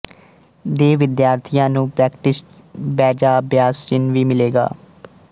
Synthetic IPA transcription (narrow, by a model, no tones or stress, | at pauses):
d̪eːʋɪd̪jaːɾt̪ʰijãːnũːpɾɛːkʈɪs | bɛːd͡ʒaːbjaːst͡ʃɪnʋiːmɪleːɡa̰ː